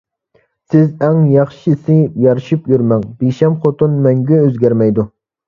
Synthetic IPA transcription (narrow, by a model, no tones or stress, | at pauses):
sɪzɛŋjɑχʃisɪjɑɾʃipjyɾmɛŋbeʃɛmχot̪unmɛŋɡʲɛøzɡʲæɾmɛjd̪u